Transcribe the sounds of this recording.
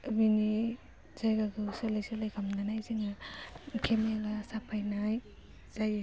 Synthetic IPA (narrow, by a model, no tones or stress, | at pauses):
bini | z̥ajɡaɡɯwselajselajkʰamnanajziŋakʰemeɡasapʰajnaj | z̥aja